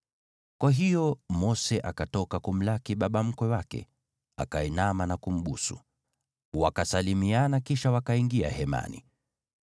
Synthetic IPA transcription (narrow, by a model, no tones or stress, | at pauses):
kwaɦijɔmɔsɛʔakatɔkakum̩lakiɓaɓam̩kwɛwakɛ̰ | a̰kaɛnamanakum̩ɓusṵ | wakasalimianakiʃawakaiŋɡia̰hɛma̰nḭ